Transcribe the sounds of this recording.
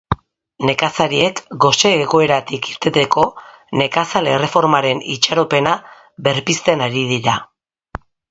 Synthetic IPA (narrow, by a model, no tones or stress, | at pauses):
ne̞kasaɾiekɡo̞se̞ːɣo̞e̞ɾat̪ikiɾt̪e̞t̪e̞ko̞ | ne̞kasale̞re̞fo̞ɾmaɾe̞nit͡ʃaɾo̞pe̞na | βe̞ɾpist̪e̞naɾið̞iɾa